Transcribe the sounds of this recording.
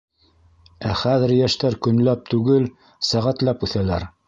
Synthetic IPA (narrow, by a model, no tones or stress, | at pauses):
æχæðɘ̆ɾjæʃt̪æɾkɵ̆nlæp̚t̪ʉɡɘl | sæʁæt̪læpʉθælæɾ